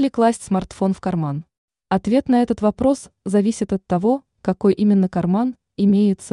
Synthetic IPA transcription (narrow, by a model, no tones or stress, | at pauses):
lʲɪklˠasʲtʲsmɐrt̪fo̞nfkɐrman | ɐt̪vʲe̞t̪nɐɛt̪ət̪vɐpɾo̞szɐvʲisʲɪt̪ɐt̪ːɐvo̞ | kɐko̞jʔimʲɪnːəkɐrman | ɪmʲejɪt̪sə